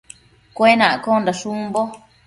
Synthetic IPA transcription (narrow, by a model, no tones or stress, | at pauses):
kʷenãʔkond̪aʂumbo